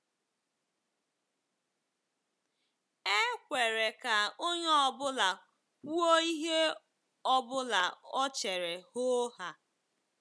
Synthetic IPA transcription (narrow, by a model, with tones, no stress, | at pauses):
e˦kʷe˨ɾe˨ka˨o˦ɲe˦ɔ˨bʊ˦la˨ | ku˦o˦i˦ɦe˦ | ɔ˦bʊ˦la˨ɔ˦t͡ʃe˨ɾe˨ho˦ha˨